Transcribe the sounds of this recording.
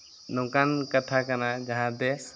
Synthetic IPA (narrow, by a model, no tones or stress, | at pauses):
nõkankət̪ʰakənad͡ʒəɦãd̪e